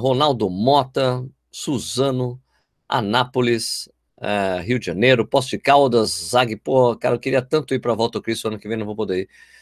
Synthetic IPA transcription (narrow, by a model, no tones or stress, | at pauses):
ɦonawd̪ʊmɔt̪ɐ | suzɐ̃nʊ | a̰napʊlɪs | ɛ̰ɦiwd͡ʒɪʒɐnejɾʊpɔst͡ʃɪkawd̪ɐzːaɡɪpohkaɾɐewkɪɾiɐt̪ɐ̃nt̪ʊiɾpɾɐvɔwt̪ɐʊkɾist̪ʊɐ̃nʊkɪvẽjnɐ̃vowpod̪ei